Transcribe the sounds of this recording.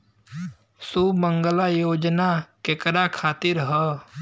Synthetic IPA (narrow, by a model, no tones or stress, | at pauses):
suːməŋɡəlajoːd͡ʒnakekəɾakʰaːt̪ɪɾɦəː